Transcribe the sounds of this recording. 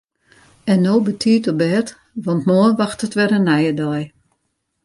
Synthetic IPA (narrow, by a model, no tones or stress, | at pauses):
ɛnːoːbətʰiːtɔbɛt | ʋɑntmoənʋaxtətʋɛrənɛjədɔj